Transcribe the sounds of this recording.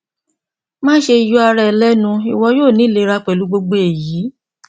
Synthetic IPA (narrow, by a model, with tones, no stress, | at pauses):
mãː˦ʃe˧i˧ju˦a˧ɾɛ˦˨lɛ˦nũ˧i˨wɔ˧˦joː˦˨nĩ˨˦le˧˦˧ɾa˧k͡pɛ˨lu˨˦ɡ͡bo˧ɡ͡bo˧e˨jiː˨˦